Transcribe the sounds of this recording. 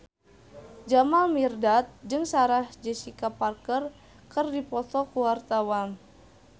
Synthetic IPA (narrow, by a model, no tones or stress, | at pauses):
d͡ʒamalmirdat̪̚d͡ʒɨŋsaɾahd͡ʒəsikaparkər | kɨrdipɔt̪ɔkuwart̪awan